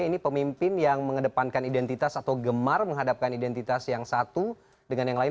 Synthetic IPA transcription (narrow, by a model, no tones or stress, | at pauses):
ainipəmimpɪnjaŋməŋədəpankanidɛnt̪it̪asat̪awɡəmarməŋɦadap̚kanidɛnt̪it̪asjaŋsat̪u | dəŋanjaŋlaɪ